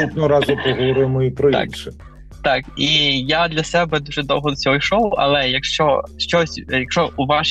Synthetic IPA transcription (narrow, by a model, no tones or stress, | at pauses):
ut̪nɔɾɑzʊpɔɦɔʋɔɾɪmɔipɾɔḭnʃɛ | t̪ɑkijad̪lʲɐsɛbɛd̪uʒɛd̪ɔ̰wɦɔd̪ɔsʲɔɦɔjʃɔwɐ̰lˠɛjɐkʃt͡ʃɔʃt͡ʃɔsʲjɐkʃt͡ʃɔʔuʋɑʃ